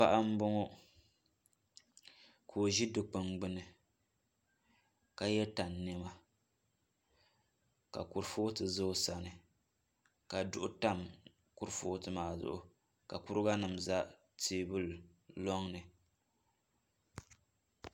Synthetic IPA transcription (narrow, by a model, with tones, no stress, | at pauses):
pa˦ʔa˦m̩˦bʊ˦ŋo˦ | kʰo˨ʒi˦dɨ˨k͡pɨ˨ŋɡ͡bɨ˦nɨ˨ | ka˦jɛ˦ta˨nːɛ˦ma˦ | ka̰˨kʊ˨ɾfoː˦tɨ˨zo˦sa˨nɨ˨ | ka˨dʊ˦ʔʊ˦ta˦˨m | kʊ˦ɾfoː˦tɨ˨maː˨zʊ̰˦ʔʊ̰˨ | ka˨kʊ˦ɾɨ˦ɡa˦nɨ˨mza˦ | tiː˨bɨ˦llɔ˦ŋnɨ˨